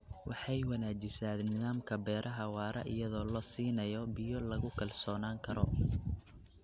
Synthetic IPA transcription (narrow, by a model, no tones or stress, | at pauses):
wɑħɑjwɐnaːd͡ʒɪsaːd̪nɪðaːmkʰɐbɛːɾʔɐɦɐwaːɾɐ̰ʔɪ̰jɐðɔːlɔːsiːnɐjɔbɪjɔlɐɣʊkʰɐlsɔːnaːŋkʰɐɾɔ